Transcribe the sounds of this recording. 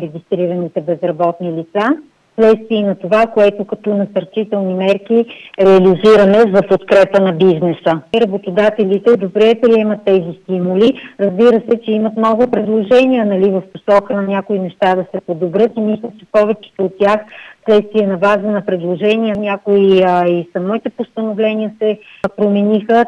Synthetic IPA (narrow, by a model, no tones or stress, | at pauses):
ɾɛɡʲist̪ɾiɾənit̪ɛbɛzɾɐbɔt̪nilit̪sa | slɛt̪st̪viɛinɐt̪ovakoɛt̪okɐt̪ɔnɐsɐɾt͡ʃit̪ɛlˠnimɛɾk̟iɾɛɐliziɾəmɛzɐpot̪kɾɛpənɐbiznɛsəɾɐbot̪od̪at̪ɛlit̪ɛd̪obɾɛɛːpɾiɛmət̪ːɛzist̪imʊliɾɐzbiɾəsɛt͡ʃɛimɐt̪mnɔɡʊpɾɛd̪lˠoʒɛnijənɐlivəfposɔkənɐnʲakoinɛʃt̪ad̪ɐsɛpod̪obɾɤt̪imislʲət͡ʃɛpɔvɛt͡ʃi̥t̪oot̪̚ːʲjaxslɛt̪st̪viɛnɐbazənɐpɾɛd̪lˠoʒɛnʲijənʲakoiisɐmɔit̪ɛpost̪ənovlɛniəsɛpɾomɛnixə